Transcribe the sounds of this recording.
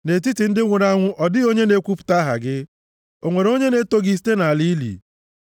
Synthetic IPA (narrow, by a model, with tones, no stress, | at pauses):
ne˨t̬i˦ti˨n̩˦dɪ˦ŋʷʊ˨ɾa˦ŋʷʊ˦ʔɔ˨dɪ˦o˦ɲe˦ne˦kʷu˦pʊ̥˨ta˦ɦa̰˨ɡɪ˦ | o˨ŋʷe˨ɾo˦ɲe˦ne˦to˦ɡi˦˨ste˦na˨a˨li˦lḭ˨